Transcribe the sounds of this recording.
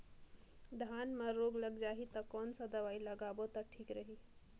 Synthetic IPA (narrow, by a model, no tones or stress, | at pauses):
ɖʱanmə̃ɾoɡləɡd͡ʒaːɦit̪əkɔːnsəd̪əʋaːiləɡaːbot̪əʈʰiːkɾəɦi